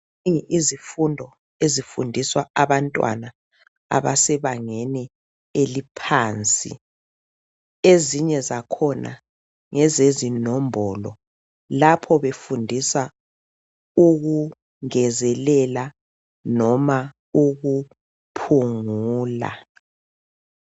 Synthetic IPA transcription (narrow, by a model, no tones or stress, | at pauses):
ŋizifundʱɔ | ezifṵndʱiswaaβantʼwa̰na | a̰βasɛβaŋɛnɛ | elipʰaːnt͡sʼḭ | eziɲɛzakʰɔnʔa̰ | ŋɛzezinɔmbʱɔlɔ | lapʰɔβefundʱisa | uɣu | ŋɛzɛlɛla | nɔma | uɣu | pʰuŋuːla̰